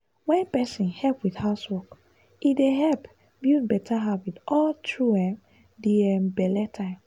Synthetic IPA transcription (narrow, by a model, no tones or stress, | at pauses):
wɛ̃npɛsĩnhɛlpwiθhaswɔk | ideɦɛlp | bjubɛtʰaɦavitʔɔltʰɹuɛ̃m | diɛmbɛlɛtʰãɪ̃m